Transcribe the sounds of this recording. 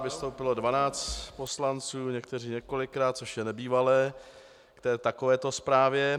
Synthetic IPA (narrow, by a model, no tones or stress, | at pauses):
vɪst̪o̞wpɪlo̞dvanaːt͡st̪po̞slant͡suːɲɛk̚t̪ɛr̝iːɲɛko̞lɪkɾaːt̪̚t͡so̞ʃjɛnɛbiːvalɛː | kt̪ɛːt̪akovɛːt̪o̞spɾaːvjɛ